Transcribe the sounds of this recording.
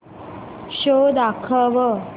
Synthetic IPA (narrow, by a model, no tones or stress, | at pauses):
ɕod̪akʰəʋə